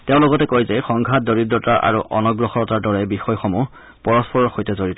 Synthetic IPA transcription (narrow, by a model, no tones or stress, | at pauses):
teʊ̃lɔɡɔtɛkojzɛxɔŋɡʱat̚doɹidɹɔtaʔa̰ɹuʔɔnɔɡɹɔxɔɔtaɹdɔɹɛbixɔjxɔmu | pɔɹɔspɔɹɔɹxojtɛzoɹitɔ